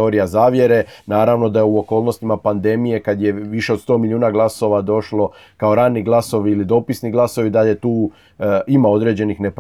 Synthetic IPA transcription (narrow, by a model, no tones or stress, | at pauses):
oɾijazaːʋje̞ɾe̞naːɾaʋno̞d̪ajeuo̞ko̞ːlˠno̞st̪imapand̪e̞mije̞kad̪je̞ʋiʃe̞od̪st̪o̞ːmiljuːnaɡlˠaso̞ʋad̪o̞ʃlo̞ | kao̞ɾaːnːiɡlˠaso̞ʋiilid̪o̞pisniɡlˠaso̞ʋid̪aʎe̞t̪uː | imao̞d̪ɾe̞ːd͡ʑe̞nixne̞p